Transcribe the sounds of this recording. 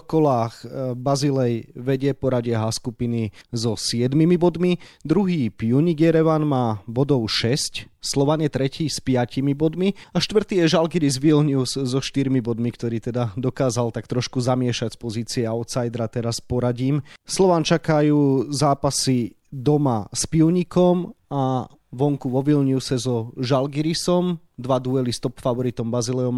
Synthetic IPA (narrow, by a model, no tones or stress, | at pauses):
kɔlaːxbazilɛjʋɛɟɪɛpɔɾaɟɪɛɦaskupinizɔsɪɛd̪mimibɔd̪mid̪ɾuɦiːpuɲiɡɛɾɛʋanmaːbɔd̪ɔʊʃɛscslɔʋanjɛt̪ɾɛciːspɪacimibɔd̪miaʃt̪ʋr̩t̪iːjɛʒalɡiɾizʋilɲuzzɔʃt̪iɾmibɔd̪mikt̪ɔɾiːt̪ɛd̪ad̪ɔkaːzalt̪akt̪ɾɔʃkuzamɪɛʃacspɔziːt͡siɛɔʊt̪sajd̪ɾat̪ɛɾaspɔɾaɟiːmslɔʋaːnt͡ʃakajuːzaːpasi | d̪ɔmaspiʊɲikɔma | ʋɔŋkuʋɔʋilɲusɛzɔʒalɡiɾisɔm | d̪ʋad̪uɛlist̪ɔpfaʋɔɾit̪ɔmbazilɛɔm